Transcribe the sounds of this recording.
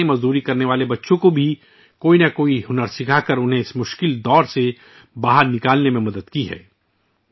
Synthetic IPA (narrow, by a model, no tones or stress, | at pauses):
ẽmɐzd̪uːɾikɐɾneʋaːlebɐtːʃõkobʱi | koːinakoːiɦʊnəɾsɪkʰakɐɾʊnɦẽɪsmʊʃkɪld̪ɔːɾse | baːɦəɾnɪkaːlnemẽmɐd̪əd̪kiɦɛ̰ː